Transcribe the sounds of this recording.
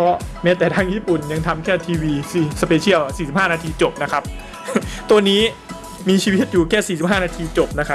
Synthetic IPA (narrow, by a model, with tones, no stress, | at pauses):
pʰɔ˦˥mɛː˦˥t̪ɛː˨˩t̪ʰaː˧˥˩ŋjiː˦˥˩pu˨˩nja˧ŋt̪ʰa˧mkʰɛː˥˩t̪ʰiː˧wiː˧si˨˩sə˧peː˧t͡ɕʰi˥˩əwsiː˨˩si˨˩p̚haː˥˩naː˧t̪ʰiː˧t͡ɕo˨˩p̚na˦˥kʰa˦˥p̚ | t̪u˧ənːiː˦˥ | miː˧t͡ɕʰiː˧wi˦˥t̪̚juː˨˩kʰɛː˥˩siː˨˩si˨˩p̚ɦaː˥˩naː˧t̪ʰiː˧t͡ɕo˨˩p̚na˦˥kʰa˦˥